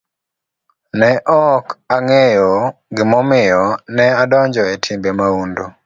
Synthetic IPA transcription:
nɛʔɔkaŋɛjɔɡɪmɔmɪjɔnɛadɔɲd͡ʒɔɛtʰimbemaundo

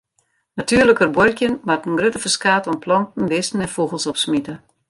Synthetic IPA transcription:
natʰyːərləkərbworkjənmatənɡrøtəfəskaːtɔnpʰlɔntn̩ʋɪsn̩ɛnfuɣəlˠsɔpsmitə

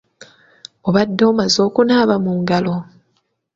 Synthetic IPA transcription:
oβadːo̞ːmazo̞ːkunaːβamuŋɡalo̞

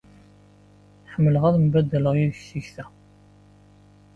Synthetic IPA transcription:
ħəmːələʁæðmbæd̪ːæləʁjiðçsiçθæ

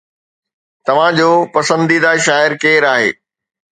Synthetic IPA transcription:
t̪ɐʋ̤ãd͡ʑoːpɐsə̃nd̪id̪aːʃaːɪɾkeːɾaːɦḛː

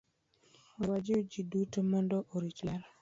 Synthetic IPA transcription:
ɔwad͡ʒɪod͡ʒidutomɔndɔʔoɾit͡ʃlaɾa

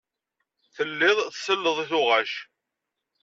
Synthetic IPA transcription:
θəlːɪðˤθsəlːəðˤiθʊʁaʃ

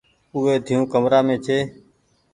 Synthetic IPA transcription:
ʊːeːd̪ʱijũːkəmɾaːmẽːt͡ʃʰeː

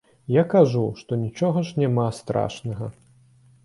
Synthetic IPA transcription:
jakaʐuʂt̪ɔnʲit͡ʂɔɣɐʂnʲamast̪ɾa̰ʂnɐɣɐ

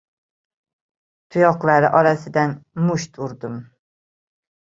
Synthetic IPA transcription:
t̪ʰujɑqlˠæɾɪʔɒɾasɪd̪ɛnmuʃt̪ʰuɾd̪ʊm

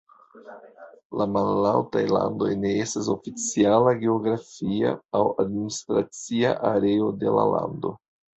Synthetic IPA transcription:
lamalːawtajla̰ndo̞̰jne̞e̞stas̬o̞fit͡sialaɡe̞o̞ɡɾafia̰awadministɾat͡sia̰ʔaɾe̞o̞de̞la̰la̰ndo̞̰

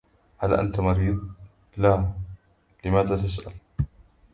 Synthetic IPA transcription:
halʔa̰nt̪amɑɾiːd̪ˤ | la | lɪmaːd̪aːt̪as̬ʔa̰l

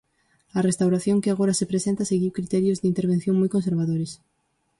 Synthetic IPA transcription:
ɐrest̪awɾaθjoŋkɪaɣ̞oɾasepɾesẽnt̪aseɣiwkɾit̪ɛɾjozðɪint̪eɾβ̞ẽn̟θjoŋmɔjkons̬eɾβaðoɾes

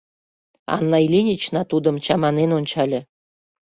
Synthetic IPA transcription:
ɑ̰nːɑilʲinʲit͡ɕnɑt̪ud̪ə̆mt͡ɕɑmɑnenonʲt͡ɕɑlʲĕ

